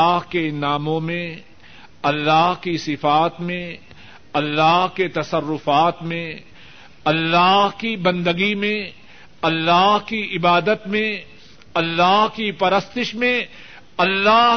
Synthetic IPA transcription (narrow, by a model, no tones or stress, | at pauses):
ɦkenaːmõmẽ | ɐlːaːɦkisɪfaːt̪mẽ | ɐlːaːɦket̪ɐsɐɾːʊfaːt̪mẽ | ɐlːaːɦkibɐ̃nd̪əɡimẽ | ɐlːaːɦkiɪbaːd̪ət̪mẽ | ɐlːaːɦkipɐɾəst̪ɪʃmẽ | ɐlːaː